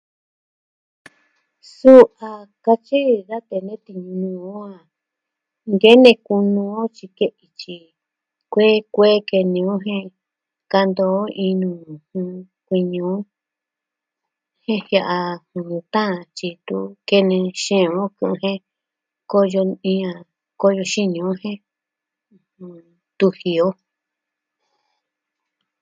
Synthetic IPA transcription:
su˦ʔa˨ka˧t͡ʃi˦ða˦t̪e˧nẽ˦t̪i˧ɲũ˧nũ˧o˦ã˧˨ | ŋɡe˦nẽ˧ku˧nũ˧õ˦t͡ʃi˧ke˦ʔi˧t͡ʃi˧ | kʷe˦kʷeː˦ke˧nĩ˧˦õ˦ɦẽ˦˧ | ka˧nd̪o˧˦i˧nũ˧˨hũ˧ | kʷi˧ɲũ˨˦ | hẽ˦hja˧ʔa˧hũ˨˧t̪ã˦˧t͡ʃi˧t̪u˦ke˧nẽ˧ʃẽ˧˨õ˦kũ˧ũ˧hẽ˦ | ko˦jo˧ĩ˧ã˧˨ | ko˦jo˧ʃi˦ɲũ˨˦hẽ˦ | hũ˧˨ | t̪u˧hi˨o˦

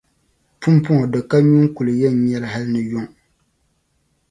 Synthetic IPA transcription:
pu˦m˦pʊ˦ŋɔ˨dɨ˨ka˦ɲu˦ŋ˦ku˨lɨ˨jɛ˦˨n˨ɲɛ˦lɦa˦lnɨ˨jo˦˨ŋ˨

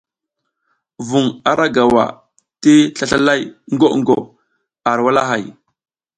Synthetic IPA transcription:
vu˨ŋa˨ɾʔa˦ɡa˨wa̰˨ | ti˦ɬa˦ɬa˦la˦jŋ˦ɡo˦ʔŋɡo̰˨ | a˨ɾwa˦la˦ɦa˨j

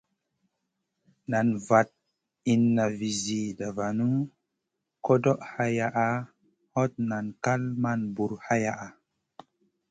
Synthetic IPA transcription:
na˨nva˨t̚ | i˨nːa˨vi˨zi˨da˨va˨nu˦ | ko˦do˦ʔha˦ja˦˨ʔa˨ | ho˦t̚na˨nka˦lma˦nbu˨ɾha˦ja˦ʔa˨

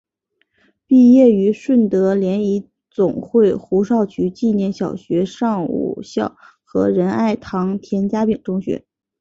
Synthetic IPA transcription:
pi˥˧jɛ˥˩y˧˥ʂwə˥˩nt̪ɤ˧˥ljɛ˧˥ni˧˥ | t͡sʊ˨˩ŋxwe˥˩ɪxu˧˥ʂɑ˥˩ʊt͡ɕʰy˧˥t͡ɕi˥˧njɛ˥˩nɕjɑ˨˩ʊɕɥɛ˧˥ʂɑ˥˧ŋṵ˨˩ɕjɑ˥˩ʊ | xɤ˧˥ɻə˧˥na˥˩ɪt̪ʰɑ˧˥ŋt̪ʰjɛ˧˥nt͡ɕja˥pi˨˩ŋʈ͡ʂʊ˥ŋɕɥɛ̰˧˥˦

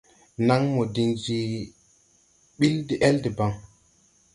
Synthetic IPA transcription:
na˦ŋmo˨di˨ŋd͡ʒi˨ | ɓi˦ldi˨ʔɛ˦ldi˨ba˦ŋ

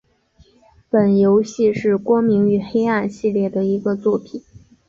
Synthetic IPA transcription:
pə˨˩njo˧˥ʊɕi˥˧ʂɻ̩˥˩kwɔ˥ŋmi˧˥ŋy˨˩xe˥ɪa˥˧nɕi˥˧ljɛ˥˩d̪ə˩i˧˥ɡə˧t͡swɔ˥˩pʰi˨˩˦n

